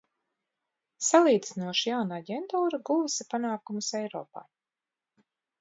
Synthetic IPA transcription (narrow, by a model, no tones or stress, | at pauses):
salˠiːd̪zinuɔʃijawnaaɟʲɛnt̪uːɾaɡuvusipanaːkumusɛjɾɔ̰ːpa̰ː